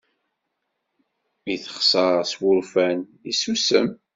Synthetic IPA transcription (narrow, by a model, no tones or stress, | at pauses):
iθə̥χsəɾswʊɾfænisusəm